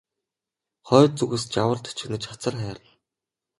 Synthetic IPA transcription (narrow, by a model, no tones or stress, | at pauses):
χœːt͡suɣɘ̆st͡ɕawə̆ɮt̪ʰt͡ɕʰɪ̆ɣnɘ̆t͡ɕχat͡sə̆rχæːɾə̆ɮ